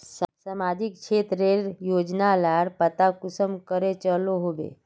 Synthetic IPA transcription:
səmaːd͡ʒɪkʃʰeːt̪ɾeɾjoːd͡ʒnalaɾpət̪akʊsəmkəɾet͡ʃəloɦobḛː

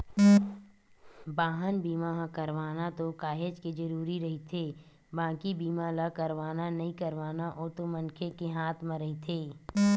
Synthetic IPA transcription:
baːɦənbiːmaɦkəɾʋaːnat̪okaːɦed͡ʒked͡ʒɐɾuːɾiɾɐɦit̪ʰeː | bãːkibiːmalakəɾʋaːnanɐɦĩkəɾʋaːnaʔoːt̪omənkʰekeɦaːt̪ʰmãɾɐɦit̪ʰeː

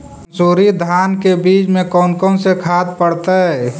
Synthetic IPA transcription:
nsuɾid̪ʱankebit͡ʃmẽkɔːnkɔnsekʰad̪̚pəɽt̪ə

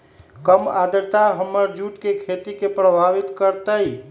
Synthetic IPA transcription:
kəmad̪əɾt̪aɦəmːəɾd͡ʒuʈkekʰet̪ikepɾəbʱaʋit̪kəɾt̪əj

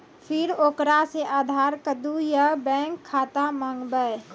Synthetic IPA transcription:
pʰɪɾoːkɾaseʔaːd̪ʱaɾkəd̪ujəbɛ̃ŋkʰːaːt̪aməŋɡbəj

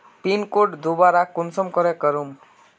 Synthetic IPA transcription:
pinkoʈd̪ubaɾakunsɔmkɔɾekəɾum

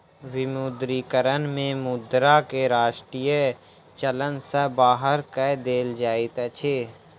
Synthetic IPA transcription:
wɪmud̪ɾiːkəɾənmẽmʊd̪ɾakeɾaːʃʈɾiːjə | t͡ʃələnsəbaːɦəɾkɛd̪eːld͡ʒaːit̪ət͡ʃʰeː

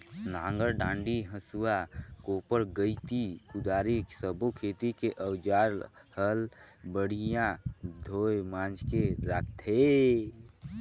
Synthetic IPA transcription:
nãːŋɡəɾɖãːɳɖiɦəsuakopəɾɡəit̪ikud̪aːɾisəbokʰet̪ikeʔəwd͡ʒaːɾhəlbəɽ̤ijãd̪ʱoːjmãːnd͡ʒkeɾak̚ʰt̪ʰe

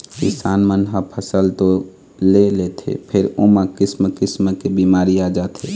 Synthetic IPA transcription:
kɪsaːnmənɦəpʰəsəlt̪o | lelet̪ʰḛpʰɪɾomãkɪsməkɪsməkebiːmaːɾiad͡ʒaːt̪ʰe

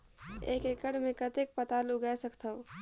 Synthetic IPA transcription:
ḛːkekəɽmẽkət̪ek̚pət̪alʊɡasəkt̪ə

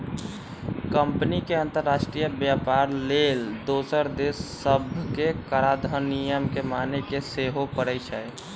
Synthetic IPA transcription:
kəmpənikeə̃nt̪əɾːasʃʈɾijəbjapaɾleld̪osəɾd̪esːəbʱkekəɾad̪ʱənijəmkemanekeseɦopəɾəjt͡ʃəj

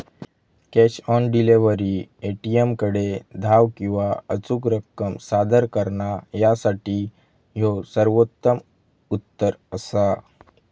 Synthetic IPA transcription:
kɛɕɔnɖileʋəɾieʈijemkəɽed̪ʱaʋkĩw̃ʋaət͡sukɾəkːəmsad̪əɾkəɾɳajasaʈiː | josəɾʋot̪ːəm | ut̪ːəɾəsa

